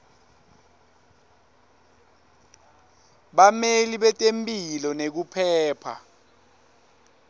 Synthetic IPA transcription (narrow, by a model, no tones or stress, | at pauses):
ɓameliɓɛtʼempʼilɔnek̬upʰɛːpʰa̰